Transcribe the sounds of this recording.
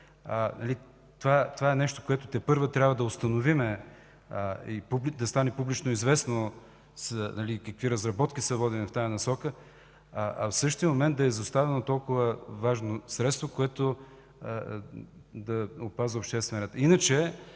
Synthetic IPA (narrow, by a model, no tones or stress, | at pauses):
ənɐli | t̪ovat̪ovaɛnɛʃt̪o̥koɛt̪ot̪ɛpɤɾvət̪ɾʲabvəd̪ɐʊst̪ɐnovimɛ | ipublid̪ɐst̪anɛpublit͡ʃnoizvɛsno | snɐlikɐkviɾɐzɾɐbɔt̪kʲisəvɔd̪ilift̪ajɐnɐsɔkə | ɐ̰fsɤʃt̪ijəmomɛnt̪̚d̪ɐɛzɐst̪avɛnot̪ɔlˠkʊvəvaʒnosɾɛt̪st̪vokoɛt̪o | d̪ɐopazvəopʃt̪ɛst̪vɛnɾɛt̪inət͡ʃɛ